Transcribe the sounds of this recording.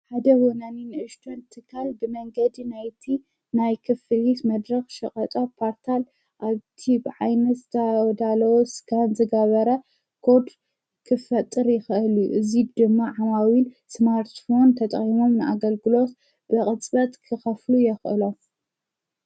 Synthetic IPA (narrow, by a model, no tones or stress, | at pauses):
ħad̪ɐwonaninɨʔɨʃt̪ʰont̪ʰɨkʰːalbɨmɐŋɡɐd̪inajt̪ʰi | najkʰɨfɨlit̪mɐd̪ɾɐxʃɐqʼɐt̪ʼopʰoɾt̪ʰal | ʔaβt̪ʰibɨʕajnɐt̪z̥ɨt̪ʰɐwɔd̪alɐwosɡanzɨɡɐβɐɾɐ | kʰo̞d̪ | kʰɨfɐt̪ʼːɨɾjɪxʔɨljuʔɨzid̪ɨmːaʕamawin | smaɾt̪fo̞nt̪ʰɐt̪ʼχʼimo̞mnɨʔaɡɐlɡɨlo̞t̪ | b̥ɨkʼɨt͡sʼbɐt̪kʰɨxɐflujɛxʔɨlo̞m